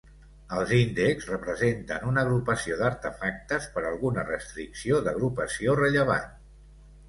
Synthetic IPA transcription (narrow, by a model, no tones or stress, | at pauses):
əlˠzind̪əkzrəpɾəzent̪ənunəɣɾupəsioðəɾt̪əfak̚t̪əspəɾəlˠɣunərəst̪ɾiksioðəɣ̞ɾupəsiorəʎəβa̰n